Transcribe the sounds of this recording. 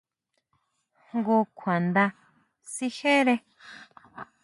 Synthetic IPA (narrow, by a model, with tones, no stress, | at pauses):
ɡu˧kʷʰwã˨nd̪a˧ | si˧ʃẽ˦ɾe˧